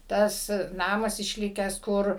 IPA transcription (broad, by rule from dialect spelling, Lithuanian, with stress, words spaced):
tɐs ˈnɑːmɐs ɪʃʲˈlʲɪkʲæːs ˈkʊr